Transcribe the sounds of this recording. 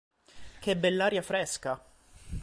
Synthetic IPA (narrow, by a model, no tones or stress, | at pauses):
kɛbːɛlːaːɾjafɾɛska